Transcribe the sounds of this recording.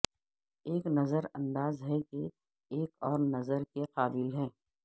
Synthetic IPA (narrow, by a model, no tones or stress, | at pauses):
eːknɐzəɾɐ̃nd̪aːzɦɛke | eːkɔːɾnɐzəɾkeqaːbɪlɦɛː